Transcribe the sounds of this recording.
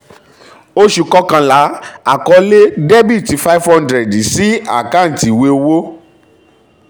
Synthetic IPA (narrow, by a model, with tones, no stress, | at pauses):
o˦ʃu˧kɔ˦kã˧la˨˦a˨kɔ˧le˦dɛ˦bi˦˨ti˨˧fa˦i˦fhɔ̃˦ndɾɛ˨dsi˨˦a˦˨kã˦˨ti˨we˧˦o˧wo˦